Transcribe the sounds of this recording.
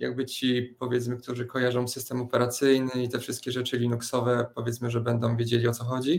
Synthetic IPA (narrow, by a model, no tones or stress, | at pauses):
ja̰ɡ̚bɘt͡ɕipɔvʲjɛt̪smɘkt̪uʐɘkɔjaʐɔ̃w̃sɘst̪ɛmɔpɛɾat̪sɘjnɘit̪ɛfʂɘst̪kʲɛʐɛt͡ʂɘlʲinuksɔvɛpɔvʲɛtsmɘʐɛbɛnd̪ɔ̃w̃vʲjed͡ʑelʲiɔt̪sɔxɔd͡ʑi